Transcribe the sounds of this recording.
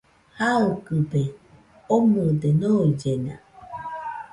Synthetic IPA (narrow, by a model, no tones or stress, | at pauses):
haokɯbe | omud̪enod͡ʒena̰